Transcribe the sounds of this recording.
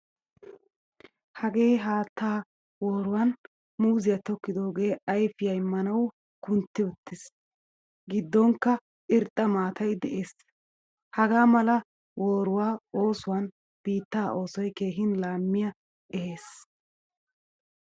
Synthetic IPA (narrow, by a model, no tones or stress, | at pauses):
hɐɡe̞ːɦaːt̪ʰːaː | woːɾʊwɐn | muːzɪjɐt̪ɔkːɪd̪o̞ːɡe̞ːɐjfɪjɐjmɐnɐw | kʊnt̪ːɪʊt̪ːɪs | ɡɪd̪ːɔŋkːɐ | ʔɪɾt̪ʼːɐmaːt̪ɐjd̪ɛʔeːs | hɐɡaːmɐlɐ | wʔoːɾʊwaːo̞ːsʊwɐn | b̥iːt̪ːaːʔo̞ːsɔjke̞ːɦɪnlaːmːɪjɐ | ʔɛhe̞ːs